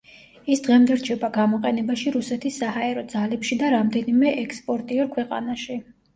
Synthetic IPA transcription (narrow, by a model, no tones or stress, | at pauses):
isd̪ʁɛmd̪ɛɾt͡ʃʰɛbaɡamɔqʼɛnɛbaʃiɾusɛt̪ʰisːahaɛɾɔd̪zalɛpʃid̪aɾamd̪ɛnimɛʔɛkspʼɔɾt̪ʼiɔɾkʰwɛqʼa̰naʃi